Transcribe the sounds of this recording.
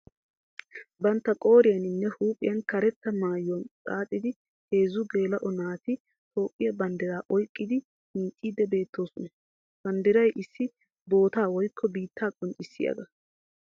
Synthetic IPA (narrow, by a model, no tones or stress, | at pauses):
bɐnt̪ːɐkʼo̞ːɾɪjɐnɪnːɛhuːpʼɪjɐnkɐɾɛt̪ːɐmaːjʊɐnt͡sʼaːt̪ʼːɪd̪ɪ | he̞ːzʊɡe̞ːlɐʔɔnaːt̪ɪ | t̪ʰo̞ːpʼːɪjɐbɐnd̪ɪɾaːʔɔjkʼːɪd̪ɪ | hɪnt͡ʃʼːiːd̪ɛbe̞ːt̪ʰːo̞ːsɔnɐ | b̥ɐnd̪ɪɾɐjʔɪsːɪ | bo̞ːt̪aːwɔjkʰːɔbiːt̪ːaːkʼɔnt͡ʃʼːɪsːɪjɐ̰ɡɐ